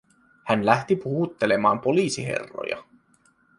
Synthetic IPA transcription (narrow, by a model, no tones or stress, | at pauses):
hænlæht̪ipuhut̪ːe̞le̞mɑːmpo̞liːsiɦe̞̰rːo̰jɑ̰